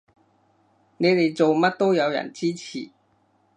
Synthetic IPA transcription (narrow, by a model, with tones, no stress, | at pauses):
ne˨˧jt̪e˨jt͡so˨wmɐ˥t̚t̪o˥wjɐ˨˧wjɐ̰˨˩nt͡siː˥t͡ɕʰḭː˨˩